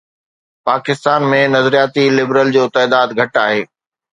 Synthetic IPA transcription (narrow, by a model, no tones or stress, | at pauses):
paːkɪst̪aːnmẽnɐzɾijaːt̪ilɪbɾəld͡ʑoːt̪ɛːd̪aːd̪ɡʱɐʈaːɦeː